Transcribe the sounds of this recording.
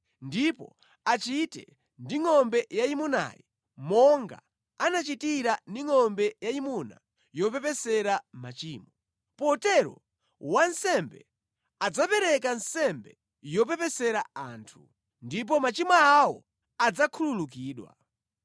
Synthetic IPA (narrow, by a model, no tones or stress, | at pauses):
ndipɔ̰ | at͡ʃitɛ̰ | ndiŋɔmbɛjaimuna̰ːji | mɔŋɡa̰ | anat͡ʃitiɾandiŋɔmbɛjaimuna̰ | jɔpɛpɛsɛɾamat͡ʃiːmɔ | pɔtɛɾɔ̰ | wansɛmbɛ̰ | ad͡zapɛɾɛk̬ansɛmbɛ | jɔpɛpɛsɛɾaaːntʰu | ndip̬ɔmat͡ʃimaːwɔ | ad͡zakʰululuk̬iːɗwa̰